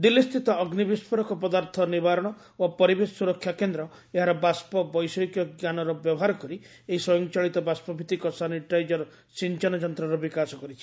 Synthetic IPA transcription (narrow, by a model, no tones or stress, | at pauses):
d̪ilːist̪it̪ɔːɡnibispʰɔɾɔkɔpɔd̪aɾt̪ʰɔnibaɾɔɽ̃ɔ | bapɔɾibesuɾɔkʰːjakend̪ɾɔ | eɦaɾɔbaspɔbɔjsɔjkjɔɡjanɔɾɔbjɔbɔɦaɾɔkɔɾi | eɦiswɔjɔŋt͡ʃaɭit̪ɔbaspɔbʱit̪ikɔsaniʈajd͡ʒɔɾɔ | sint͡ʃɔnɔd͡ʒɔnt̪ɾɔɾɔbikasɔkɔɾit͡ʃʰi̥